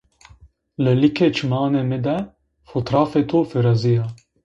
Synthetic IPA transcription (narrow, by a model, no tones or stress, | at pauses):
lɨlikʰet͡ʃʰmɑːneːmɪd̪ɛ | fot̪ɾɑːfet̪ʰofɪɾazijɑː